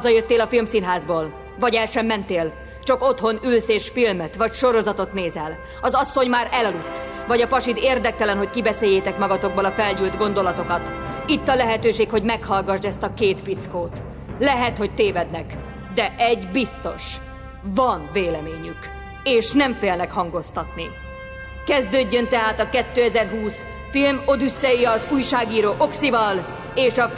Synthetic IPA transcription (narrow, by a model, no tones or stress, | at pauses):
ɒzɒjøt̪ːeːlɒfilmsinɦaːzboːl | vɒɟɛlʃɛmːɛnt̪eːl | t͡ʃɒko̞t̪ho̞nylseːʃfilmɛt̪ʋɒcʃo̞ɾo̞zɒt̪o̞t̪neːzɛl | ɒzɒsːo̞ɲmaːɾɛlɒlut̪ːvɒɟɒpɒʃid̪eːrd̪ɛk̚t̪ɛlɛnɦo̞ckibɛseːjːeːt̪ɛkmɒɡɒt̪o̞ɡ̚bolɒfɛlɟyld̪ɡo̞nd̪o̞lɒt̪o̞kɒt̪ | it̪ːɒlɛɦɛt̪øːʃeːkho̞ɟmɛkhɒlɡɒʒd̪ɛst̪ɒkeːt̪fit̪skoːt̪ | lɛɦɛt̪ho̞c̚t̪eːvɛd̪nɛk | d̪ɛʔɛɟbist̪o̞̰ʃ | vɒnveːlɛmeːɲyk | eːʃnɛɱfeːlnɛkhɒŋɡo̞st̪ɒt̪ni | kɛzd̪øːɟːønt̪ɛɦaːt̪ɒkɛt̪ːøːɛzɛrɦuːs | filmo̞d̪ysːɛjiɒzuːjʃaːɡiːɾoːʔo̞ksivɒl | eːʃɒ